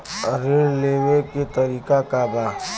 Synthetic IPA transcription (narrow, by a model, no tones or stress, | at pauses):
ɾeɽleːweket̪ɐɾiːkakabaː